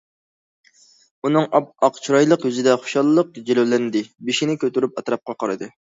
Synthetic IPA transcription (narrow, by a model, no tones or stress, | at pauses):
unɨŋɑqt͡ʃʰuɾɑjlˠəqjyzɪd̪ɛχʊ̥ʃɑlˠlːˠəq̚d͡ʒelɛwlɛnd̪ɪbiʃinɪkʲʰøt̪yɾypɑt̪ɾɑp̚qɑqɑɾɨd̪ɨ